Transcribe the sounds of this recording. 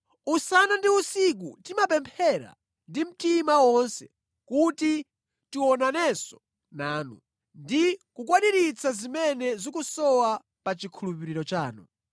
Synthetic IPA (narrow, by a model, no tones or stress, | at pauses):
usanandiusik̬utimapɛmpʰɛɾa̰ | ndim̩timawɔnsɛ | kuti | tiwɔnanɛsɔ̥ | naːnṵ | ndikukwaɗiɾit͡sʰazimɛnɛzikusɔwa | pat͡ʃikʰulupiɾiɾɔt͡ʃaːnṵ